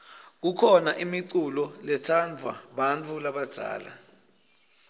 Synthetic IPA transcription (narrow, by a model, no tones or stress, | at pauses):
k̬ukʰɔnaʔimiǀulɔlɛtʰand͡vʱwa̰ɓant͡fʰulaɓad̥ʱa̰ːla̰